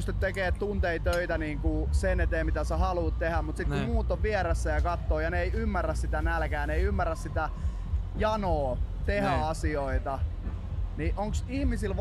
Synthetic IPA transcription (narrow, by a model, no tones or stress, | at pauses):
st̪yt̪t̪ekeːt̪t̪unt̪eit̪øit̪æniːŋkusenet̪eːmmit̪æsehɑluːt̪t̪ehæmmut̪sit̪kummuːt̪ːoʋʋieɾæsːæjɑkɑt̪ːoːjɑneeiymːærːæssit̪ænælkæːneiymːærːæssit̪æ | jɑnoːt̪ehæɑsioit̪ɑ | niʔoŋksihmisilʋ